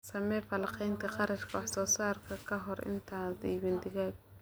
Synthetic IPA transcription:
sɐmɛːfɐlɑqɛjnt̪ʰɐχɑɾɐt͡ʃkʰɐwɑħsɔːsaːrkʰɐkʰɐɦɔrɪ̰nt̪ʰaːdiːβɪnd̪ɪɣaːɡ̚

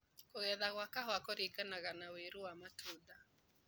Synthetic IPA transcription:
koɣɛðaɣwakahwakoɾikanaɣanaweɾuwamatʰuda

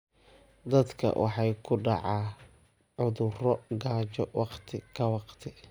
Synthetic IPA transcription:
d̪ɐd̪kʰɐ̰wʔɑ̰ħɑjkʰʊɖɑ̰ʕɑː | ʕʊðʊrɔɡaːt͡ʃɔwʔɑqt̪ʰɪkʰɐwɑqt̪ʰɪ

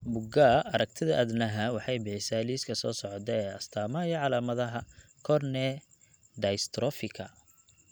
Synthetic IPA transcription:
bʊɡaːʔɐɾɐk̚t̪ʰɪðɐʔɐd̪nɐɦɐwɑħɑjbɪħɪsaːliːskʰɐsɔːsɔʕɔt̪ʰɛɛːɐst̪ʰaːmɐjɐʕɑlaːmɐðɐɦɐkʰɔrnɛ | d̪ɐjst̪ʰɾɔfɪkʰɐ̰

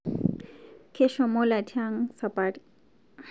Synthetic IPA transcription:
kʰeʃɔmolatʰaŋsapaʈ

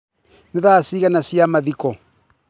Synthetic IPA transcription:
nɪðasiɣanasiamaðikɔ

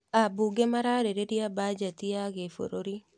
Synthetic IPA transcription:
abuɡemaɾaɾeɾediabad͡ʒat̪iaɡefo̰ɾoɾi

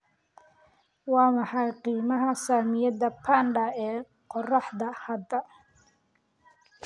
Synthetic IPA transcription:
wɑːmɑħɑjqiːmɐɦɐsaːmɪjɐd̪ɐpʰaːnɖɐɛː | qɔrɑħd̪ɐhɐd̪ɐ

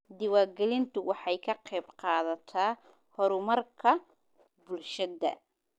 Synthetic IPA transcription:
d̪ɪwaːɡɛlɪnt̪ʰʊwɑħɑjkʰɐqɛjbqɑːðɐt̪ʰaː | hɔɾʊmɐrkʰɐ | bʊlʃɐðɐ̰

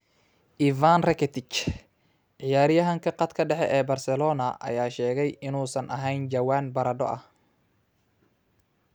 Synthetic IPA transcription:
ʔivanrɛkʰɛt̪ʰɪt͡ʃ | ʕɪjaːɾɪjɐɦɐŋkʰɐqɑd̪kʰɐɖɛħɛʔɛːbɐrsɛlɔːnɐʔɐ̰jaːʃɛːɣɛjɪnuːsɐnʔɐ̰ɦɛjnd͡ʒɐwaːnbɐɾɐɖɔ̰ʔɐ̰h

